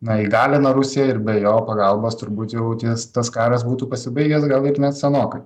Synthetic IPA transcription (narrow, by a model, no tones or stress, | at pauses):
nɐiɡɑːlʲɪnɐɾʊsʲɪjɛɪɾbʲɛjoːpɐɡɐlˠboːst̪ʊɾbuːt̪jɛʊt̪jɪst̪ɐskɑːɾɐsbuːt̪uːpɐsʲɪbɐɪɡʲɛsɡɐlˠɪɾnʲɛt̪sʲɛnoːkɐɪ